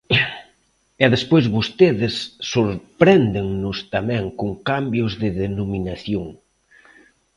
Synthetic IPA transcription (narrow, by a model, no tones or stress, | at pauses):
ɛðespojzβost̪eðɪsːoɾpɾɛnd̪ɪŋnʊst̪amɛ̃ŋkoŋkambjʊzðɪðenominaθjoŋ